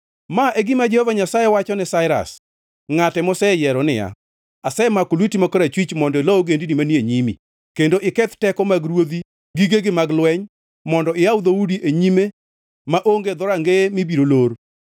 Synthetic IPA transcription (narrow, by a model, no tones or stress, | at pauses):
maʔeɡɪmad͡ʒehovaɲasajewat͡ʃɔnɛsaɪɾa̰s | ŋatɛmɔsɛjɛɾɔnɪja̰ | asɛmakolwitimakɔɾat͡ʃwit͡ʃmɔndɔelɔɔɡendinimanieɲimḭ | kendoʔɪkɛt̪tɛkɔmaɡɾwod̪i | ɡiɡeɡɪmaɡlwɛɲ | mɔndɔɪawd̪oudiʔeɲime | maʔoŋɡed̪ɔɾaŋɡemibiɾoloɾ